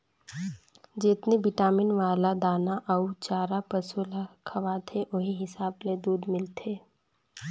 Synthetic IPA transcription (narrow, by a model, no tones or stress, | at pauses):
d͡ʒɪt̪nebɪʈaːmɪnʋaːlad̪aːnaʔɐut͡ʃaːɾapɐsulakʰɐʋaːt̪ʰeʔoɦiɦɪsaːbled̪uːd̪mɪlt̪ʰeː